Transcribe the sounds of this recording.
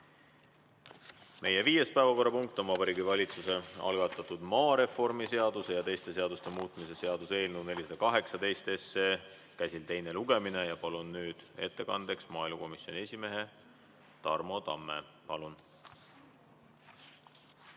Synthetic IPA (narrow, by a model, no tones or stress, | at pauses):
mʔe̞je̞viːje̞spæevɑko̞rːɑpuŋk̚t̪ːˑo̞mːɑbɑɾiːɡivɑlʲit̪suse̞ɑ̰lɡ̥ɑt̪ːˑɑt̪ud̪̥mɑːɾe̞fo̞rmise̞ɑd̪̥use̞jɑt̪e̞jst̪e̞se̞ɑd̪ust̪e̞muːt̪ˑmise̞se̞ɑd̪̥use̞ːlnune̞lʲisɑd̪ɑkɑɦe̞ksɑd̪e̞jst̪e̞sːeː | kæjsilt̪e̞jne̞luɡ̥e̞mine̞jɑpɑlunːyːd̪̥e̞̰t̪ːe̞kɑnd̪̥e̞ksmɑːijlmuko̞misjo̞nʲie̞sʲime̞ɦe̞ | t̪ɑ̰rmo̞t̪ɑ̰mːe̞̰pɑlun